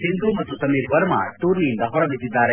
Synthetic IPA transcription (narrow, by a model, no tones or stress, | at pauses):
sind̪umɐt̪ːusɐmiːɾʋɐɾma̰ːt̪uːɾnijind̪ɐɦɔɾɐbʱit̪ːid̪ːaːɾe